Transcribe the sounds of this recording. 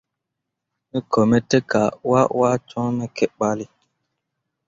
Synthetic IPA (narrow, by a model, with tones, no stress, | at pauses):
nɛ˦kɔ˨mɛ˦tɛ˦ka˨wa˦wa˦t͡ʃɔ̃˦nɛ˦kɛ˦ɓa˦li˦